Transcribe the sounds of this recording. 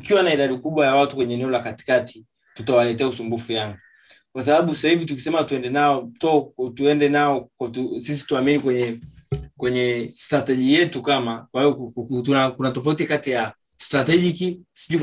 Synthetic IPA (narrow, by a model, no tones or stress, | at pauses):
ukiwanaiɗaɗikuɓwajawatukwɛɲɛːnɛɔlakati̥katʰi | tutawalɛtɛausumbufujaŋɡu | kwas̬aɓaɓusahivitukisɛmatuɛndɛnaɔtɔtuɛndɛnaɔkatusisi̥tuaminikwɛɲɛkwɛɲɛstɾatɛʄijɛtukamakwaiɔunakunatɔfautikatija | stɾatɛʄikisiʄu